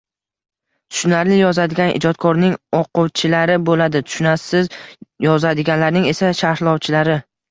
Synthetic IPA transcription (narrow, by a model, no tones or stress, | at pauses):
t̪ʰʊ̥ʃnaɾlɪjɒzad̪ɪɡʲanʔɪ̰d͡ʒɒt̪̚kʰɒɾnɪŋɒqʊwt͡ʃʰɪlaɾɪbolad̪ɪt̪ʰʊ̥ʃnasɪzjɒzad̪ɪɡʲanlaɾnɪŋe̞saʃaɾhlˠɒwt͡ʃʰɪlaɾɪ